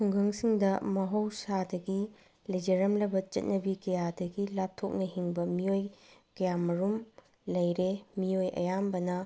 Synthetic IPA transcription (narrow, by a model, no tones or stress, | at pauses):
tʰuŋɡɐŋsiŋdɐmɐɦowsadɐɡi | lɐjd͡ʒɐɾɐmlɐbɐt͡ʃɐ̰t̚nɐbikɐjadɐɡilap̚tʰok̚nɐɦiŋbɐmiojkɐjamɐɾum | lɐjɾemiojɐ̰jambɐnɐ